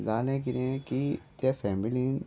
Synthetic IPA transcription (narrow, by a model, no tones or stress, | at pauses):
zaːlẽkiɾẽkit̪afɛːmilin